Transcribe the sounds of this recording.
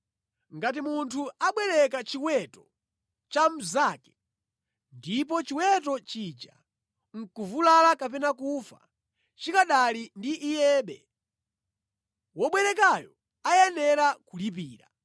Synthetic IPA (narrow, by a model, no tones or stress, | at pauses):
ŋɡat̬imuntʰuaɓwɛɾɛkat͡ʃiwɛtɔ | t͡ʃam̩zaːkɛ̥ | ndip̬ɔt͡ʃiwɛt̬ɔt͡ʃid͡ʒa̰ | ŋ̩kuvulalakapɛnak̬ufa̰ | t͡ʃikaɗalindiʔːjɛːɓɛ̰ | wɔɓwɛɾɛkajɔ | ajɛnɛɾakulip̬iːɾa̰